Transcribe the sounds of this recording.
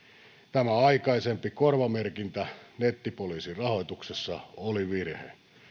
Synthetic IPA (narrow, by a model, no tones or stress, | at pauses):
t̪æmæɑikɑisempikorʋɑmerkint̪ænet̪ːipoliːsirrɑho̞it̪uksesːɑoliʋirhḛ